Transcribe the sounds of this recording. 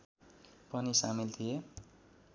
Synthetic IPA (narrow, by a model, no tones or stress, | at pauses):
pʌnisamilt̪ʰije